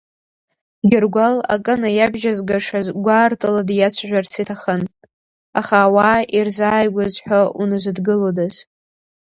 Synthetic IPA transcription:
ɡʲɪrɡʷala̰kʼɨnajabʒazɡaʂazɡʷaːrtʼɨladjat͡sʷʰʒᶣʷart͡sʰitʰaχən | aχaːwairzaːjɡʷazħʷᶣaunɨzɨdɡɨlodaz̥

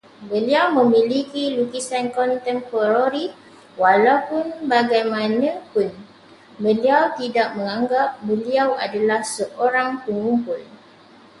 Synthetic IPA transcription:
bəliawmə̃milikilukisankɔnt̪ɛmpoɾaɾi | walawpʊnbaɡajmãnãpʊn | bəliawt̪idaʔ̚mə̃ŋãŋɡap̚bəliawadalahsəʔoɾaŋpəŋumpʊl

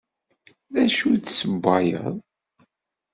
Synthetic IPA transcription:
ðæʃudsəbːɑjə̰ðˤ

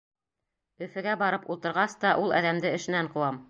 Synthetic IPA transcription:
ɵ̆fɘ̆ɡæbɑɾɤpulˠt̪ɤ̆ɾʁɑst̪ɑʔulˠɑ̰ðæmd̪ɘɘ̆ʃɘ̆næɴqɤ̆wɑm

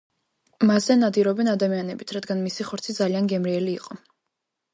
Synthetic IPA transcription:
maszɛnad̪iɾɔbɛnad̪amianɛbit̪ʰɾad̪ɡanmisiχɔɾt̪sʰid̪zalianɡɛmɾiɛliːqʼɔ

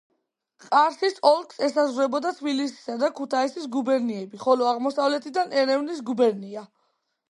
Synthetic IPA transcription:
qʼaɾsisɔlˠkʰʼsɛsazɾɛbɔd̪at̪ʰbilisi̥sad̪akʰut̪ʰaisisɡubɛɾniɛbiχɔlɔaʁmɔsavlɛt̪ʰid̪anɛɾɛvnis̬ɡubɛɾnia

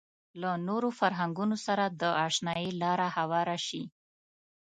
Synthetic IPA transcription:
lanoɾofaɾɦaŋɡunosaɾad̪əʔɑʂnɑjilɑɾahawɑɾaʃi

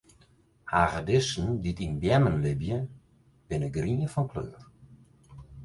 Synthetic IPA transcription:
haːɣədɪsn̩ditinbjɛmənlɪbjə | b̥ɪnəɡriəfɔnkʰløːr

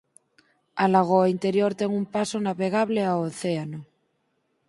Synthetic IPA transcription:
alaɣ̞oaint̪e̞ɾjoɾt̪eŋumpasonaβeɣ̞aβleaoθeano

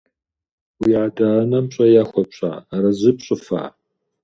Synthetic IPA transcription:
wiːʕadaːnɐmɕʼɐjaːxʷɔpɕʼa̰ːɾɐzɨpɕʼɪfa̰ː

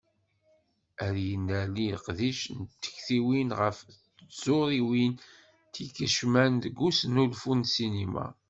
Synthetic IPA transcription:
æɾjənæliqðiʃnt̪ːə̥çθiwinʁəf | z̥oɾiwin | t̪ikəʃmænd̪ɡːusnulfunsinima̰

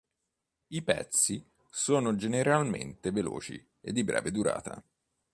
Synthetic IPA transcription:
ipɛ̰t̪si | soːnod͡ʒeneɾalment̪evelo̰ːt͡ʃḭ | ed̪ːibɾɛ̰ːved̪uɾa̰ːt̪a

